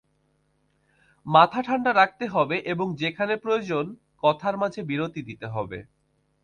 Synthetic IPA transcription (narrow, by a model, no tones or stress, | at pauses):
mat̪ʰaʈʰaɳɖaɾak̚t̪eɦɔbeʔeboŋd͡ʑekʰanepɾood͡ʑon | kɔt̪ʰaɾmad͡ʑʱebiɾot̪id̪it̪eɦɔ̰bḛ